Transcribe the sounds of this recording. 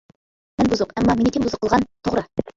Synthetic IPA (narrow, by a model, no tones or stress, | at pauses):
mænbuzuqæmːɑminik̪ʲembuzɤ̆qːəlˠʁɑnt̪ʰoʁɾɤ